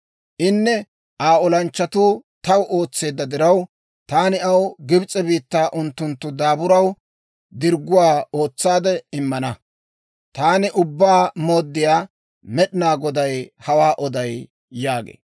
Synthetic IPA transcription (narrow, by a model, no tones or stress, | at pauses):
ʔɪnːɛ | ʔaːɔlɐnt͡ʃːɐt̪uːt̪ɐwʔo̞ːt͡sːe̞ːd̪ːɐd̪ɪɾɐw | t̪aːnɪɐwɡɪbt͡sʼːɛbiːt̪ːaːʔʊnt̪ːʊnt̪ːʊd̪aːbʊɾɐw | d̪ɪɾɡʊwaːoːt͡sːaːd̪ɛɪmːɐnɐ | t̪aːnɪʔʊbːaːmoːd̪ːɪjaː | mɛɗɪnaːɡɔd̪ɐjhɐwaːʔɔd̪ɐjː | aːɡḛː